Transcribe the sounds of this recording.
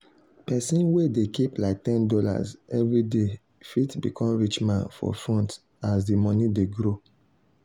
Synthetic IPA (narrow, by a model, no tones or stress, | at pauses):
pɛsĩnwedekiplaɪk̚tɛ̃ndɔla̰zɛvɹide | fitbḭkʰɔ̃mɹit͡ʃmãnfɔ̰fɔ̃nt | azdimɔnideɡɹo